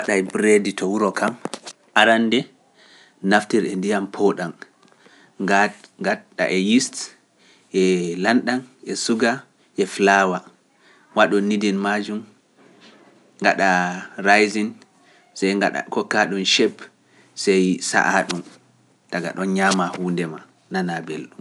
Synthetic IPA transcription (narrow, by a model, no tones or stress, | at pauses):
waɗajbɾeditʰɔwuɾɔkam | ʔaɾandɛ | naftiɾɛndijampʰoɗan | ɡaɗa̰ʔɛjist | ʔɛlanɗanʔɛsuɡa | ʔɛflawa | waɗɔnːidinmad͡ʒum | ŋɡaɗaɾajzin | sɛjɡaa̰kɔkaɗunʃɛp | sɛjsa̰ʔaɗum | taɡa̰ɗɔnɲamahuːndɛma | nanabelɗum